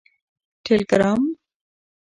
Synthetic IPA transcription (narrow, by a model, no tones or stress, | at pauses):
ʈʰelkəɾaːm